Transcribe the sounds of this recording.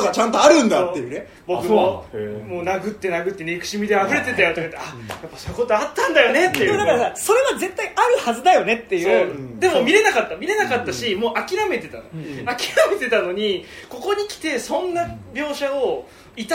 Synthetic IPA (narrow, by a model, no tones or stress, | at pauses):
ɡat͡ɕãnt̪oaɾɯ̟̃nd̪aːejɯːne | bo̞kɯ̟omo̞ːnaɡɯ̟t̪ːe̞naɡɯ̟t̪ːenekɯ̟̥ɕimʲid̪eaɸɯ̟ɾe̞t̪e̞t̪ajo̞t̪o̞kait̪ːeajapːḁsoːɯ̟ko̞t̪o̞at̪ːãnd̪ajo̞ne̞t̪ːeemod̪akaɾasaso̞ɾe̞βaze̞t̪ːaiaɾɯ̟hazɨd̪ajo̞ne̞t̪ːe̞jɯd̪e̞mo̞mʲiɾe̞nakat̪ːamʲiɾe̞nakat̪ːaɕimoːʔakʲiɾame̞t̪e̞t̪anoakʲi̥ɾame̞t̪e̞t̪ano̞ɲ̟iko̞ko̞ɲ̟ikʲi̥t̪e̞sõ̞nːabʲjo̞ːɕao | it̪a